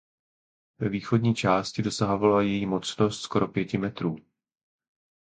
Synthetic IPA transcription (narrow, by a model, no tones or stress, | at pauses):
vɛviːxo̞dɲiːt͡ʃaːscɪdo̞saɦo̞valajɛjiːmo̞t͡sno̞st̪sko̞ɾo̞pjɛcɪmɛt̪ɾuː